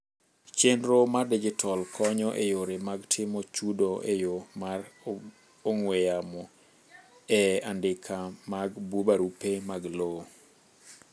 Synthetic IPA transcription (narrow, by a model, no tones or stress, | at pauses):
t͡ʃenɾomaded͡ʒitʰɔlkʰɔɲɔʔejoɾemaɡtʰɪmɔt͡ʃudoʔejomar | oŋwejamɔ | ɛandɪkʰamaɡbubaɾupemaɡlo